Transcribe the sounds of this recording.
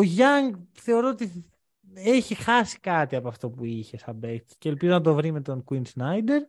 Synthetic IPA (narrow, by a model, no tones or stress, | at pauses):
oʝɐŋɡθe̞o̞ɾoot̪i | eçixɐsi̥kɐt̪iɐpoɐft̪o̞puiçe̞sɐbet̪ce̞ːlpizo̞nɐt̪̬o̞vɾime̞t̪o̞ŋkwinsnɐjd̪e̞ɾ